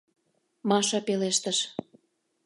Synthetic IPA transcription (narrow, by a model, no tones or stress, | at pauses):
mɑʃɑpeleʃt̪ə̆ʃ